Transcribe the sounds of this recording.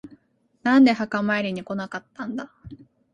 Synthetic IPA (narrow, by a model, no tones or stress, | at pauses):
nãnd̪e̞hakamaeɾʲiɲ̟iko̞nakat̪ːãnd̪a